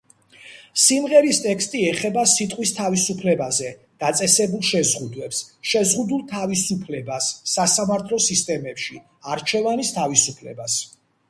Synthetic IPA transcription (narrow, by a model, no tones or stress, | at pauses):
simʁɛɾist̪ʼɛkst̪ʼiɛχɛbasit̪ʼqʼwist̪ʰavisupʰlɛbazɛ | d̪̥at̪sʼɛsɛbulˠʃɛzʁud̪wɛpsʃɛzʁud̪ulˠt̪ʰavisupʰlɛbasːasamaɾt̪ʰlɔsist̪ʼɛmɛpʃi | aɾt͡ʃʰɛvanist̪ʰavisupʰlɛ̰bas